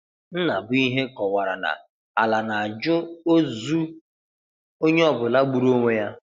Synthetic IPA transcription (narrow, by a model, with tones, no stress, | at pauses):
n̩˦na˨bʊ˦i˦ɦe˦kɔ˨wa˨ɾa˨na̰˨ | a˨la˨na˨a˨d͡ʒʊ˦o˦zu˦ | o˦ɲe˦ɔ˦bʊ˨la˦ɡ͡bu˨ɾo˦ŋʷe˦ja˦